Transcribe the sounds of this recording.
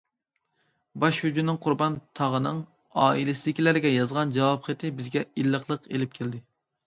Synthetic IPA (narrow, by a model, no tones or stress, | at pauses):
bɑʃhyd͡ʒumnɨŋqʰʊɾbɑnt̪ʰɑʁənɨŋ | ɑːilɪsɪd̪ɪkʲʰilæɾɪɡʲɛjɑzʁɑnd͡ʒɑwɑpχet̪ʰɪbɪzɡʲɛilːəχlˠəqelɪp̚kʲʰeld̪ɪ